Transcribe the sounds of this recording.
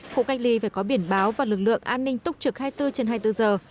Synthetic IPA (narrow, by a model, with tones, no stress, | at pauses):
xo̰˧˨ka˦˥jk̚li˨˦faː˧˩jkɔ˨˦ɓi˧˩ənɓaː˨˦wvaː˨˩lɨ˨˩k̚lɨ̰˧˨əŋʔaː˧nːï˧ŋ̟t̪ʊ˦˥k͡p̚t͡ɕɨ˨˩k̚haː˧jt̪ɨ˧t͡ɕe˧nɦaː˧jt̪ɨ˧zəː˨˩